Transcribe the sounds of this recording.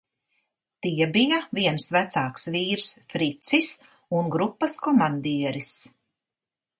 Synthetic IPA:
t̪iɛbijaviɛnsvæt̪saːksviːɾsfɾit̪sis | unɡɾupːɐskɔmand̪iɛɾis

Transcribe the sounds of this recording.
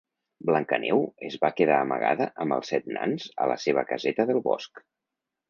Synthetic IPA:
bləŋkənɛwəzβakeðaːməɣa̰ðəʔəmbəlˠsɛt̪̚na̰nzə̰ləseβ̞əkəzɛt̪əðəlˠβɔ̰sk

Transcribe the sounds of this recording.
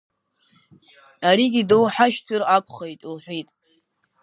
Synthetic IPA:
ariɡʲidowħaʃt͡sʰɨrakʷʼʰχejtʼlħʷᶣitʼ

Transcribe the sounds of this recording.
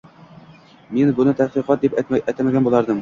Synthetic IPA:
minbunɤt̪æqiqɑt̪̚d̪ipæt̪æjt̪æmæɡænbulˠɑɾd̪ɤm

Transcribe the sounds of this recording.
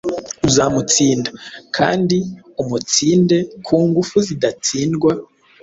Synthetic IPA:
uzamut͡siːndakʰa̰ːndi | umut͡siːnde̞kʰuːŋɡufuzidat͡siːnɡwa

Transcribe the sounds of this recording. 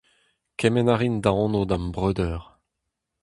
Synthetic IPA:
kʰɛmɛnaʁind̪ãɔ̃nod̪ãmbʁøːd̪œʁ

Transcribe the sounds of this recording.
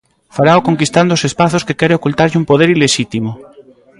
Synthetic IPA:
faɾaoko̞ŋkist̪and̪osespaθoskekeɾeokult̪aɾʎumpoð̞eɾileʃit̪imo

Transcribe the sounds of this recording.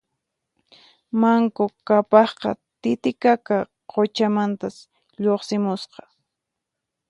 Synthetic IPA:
maŋkokapɑχqɑ̰t̪ɪt̪ɪkaka | qot͡ʃamant̪as | ʎoχsɪmʊsqɑ̥

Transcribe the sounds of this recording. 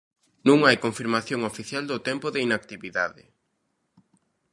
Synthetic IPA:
nũŋajkoɱfiɾmaθjoŋofiθjald̪ʊt̪ɛmpʊðɪinak̚t̪iβiða̰ðɪ̰

